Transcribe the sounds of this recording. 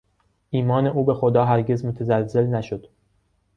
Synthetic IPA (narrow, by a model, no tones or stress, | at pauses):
ʔiːmɒːne̞ʔuːbe̞xod̪ɒːɦæɾɟe̞zmot̪ʰezælze̞lnæʃod̪̥